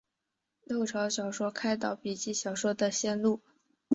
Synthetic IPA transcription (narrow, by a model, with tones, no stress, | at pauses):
lo˥˩ʊʈ͡ʂʰɑ˧˥ʊɕjɑ˨˩ʊʂwɔ˥kʰa˥ɪt̪̬ɑ˥˩ʊpi˨˩t͡ɕi˥˩ɕjɑ˨˩ʊʂwɔ˥d̪ə˨ɕjɛ˥˧nlu˥˩